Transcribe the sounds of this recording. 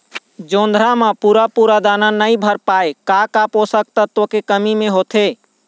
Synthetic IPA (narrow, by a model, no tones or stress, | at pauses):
d͡ʒõːnd̪ʱɾamapuːɾapuɾad̪ananəĩbʱəɾpaːekakapɦosək̚t̪ət̪okekəmimẽɦoːt̪ʰe